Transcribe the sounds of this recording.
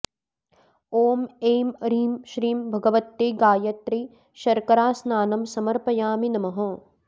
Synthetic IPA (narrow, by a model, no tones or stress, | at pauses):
oːmeːmɐɾiːmʃɾiːmbʱɐɡɐʋɐt̪ːeːɡaːjɐt̪ɾi | ʃɐɾkɐɾaːsnaːnɐmsɐmɐɾpɐjaːminɐmɐɦɐ̃ː